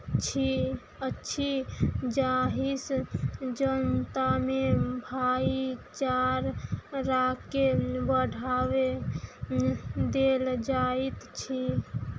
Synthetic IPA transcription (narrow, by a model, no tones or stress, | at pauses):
t͡ʃʰi | ətːʃʰid͡ʒaɦisd͡ʒənt̪amebʱait͡ʃaɾɾakːebəɽʱawe | d̪eld͡ʒaet̪t͡ʃʰi